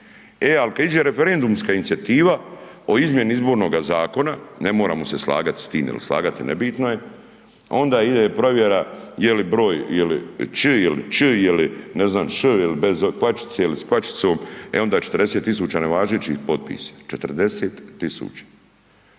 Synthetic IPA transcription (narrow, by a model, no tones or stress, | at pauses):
ealikad̪id͡ʒeɾe̞feɾend̪umskaːinit̪sijat̪iːʋa | o̞izmje̞niizbo̞ɾnoːɡazaːko̞nane̞mo̞ːɾa̰ːmo̞seslˠa̰ːɡat̪i̥st̪ḭːmjɛ̰lḭslˠa̰ːɡat̪inḛbiːt̪noje | o̞nd̪aːid̪epɾo̞ʋjeɾajelibɾo̞ːjjelḭt͡ʃɨjelḭt͡ʃɨjelineznaːmʃɨjilibezoplˠat͡ʃi̥t̪seilisplat͡ʃi̥t̪so̞ːmeo̞nd̪aːt͡ʃet̪ɾd̪eset̪ːisuːt͡ɕaːneʋaːʒet͡ɕḭhpo̞t̪̚pḭːsḁt͡ʃet̪ɨrd̪e̞seːt̪ːisṵːt͡ʃḁ